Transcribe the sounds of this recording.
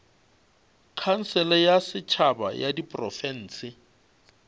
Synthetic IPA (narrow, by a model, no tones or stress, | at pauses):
kʰan̩sɛlɛjasɪt͡ʃʰaba̰jadipʼrɔfɛn̩ːsɪ